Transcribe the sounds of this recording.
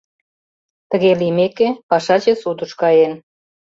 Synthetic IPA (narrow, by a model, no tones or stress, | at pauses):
t̪ə̆ɣelimekepɑʃɑt͡ɕesud̪ə̆ʃkɑjen